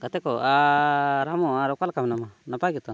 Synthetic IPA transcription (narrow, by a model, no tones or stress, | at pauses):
kat̪ekɔaɾamɔaɾakalkamnamanapaɡit̪ɔ